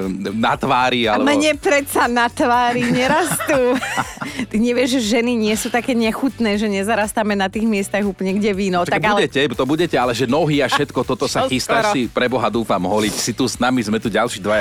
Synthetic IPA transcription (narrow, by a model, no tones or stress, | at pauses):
nat̪ʋaːɾialɛmɲɛpɾɛsanat̪ʋaːɾiɲɛɾast̪uː | t̪iɲɛʋɪɛʒʒɛʒɛniɲɪɛsut̪akɛːɲɛxut̪nɛːʒɛɲɛzaɾast̪amɛnat̪iːɣmɪɛst̪aɣuːplɲɛɡɟɛʋiːnɔʊtaaɡaulɛɟɛcɛt̪ɔbuɟɛcɛalɛʒɛnɔɦiafʃɛt̪kɔt̪ɔt̪ɔsaxist̪asipɾɛbɔɦad̪uːfamɦɔlicsit̪usnamizmɛt̪uɟalʃid̪ʋa